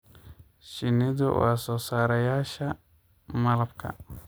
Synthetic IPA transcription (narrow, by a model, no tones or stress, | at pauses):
ʃɪnɪðɔ̰wa̰ːsɔːsaːɾɐjaːʃɐ | mɐlɐb̚kʰɐ̰